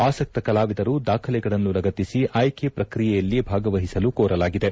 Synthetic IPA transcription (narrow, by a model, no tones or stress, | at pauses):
aːsɐk̚t̪ɐkɐlaːʋid̪ɐɾud̪aːkʰɐlɛɡɐɭɐnːunɾɐɡɐt̪ːisiʔaːjkʰepɾɐkɾijɛjɐlːibʱaːɡɐʋɐɦisɐlukoːɾɐlaːɡid̪e̞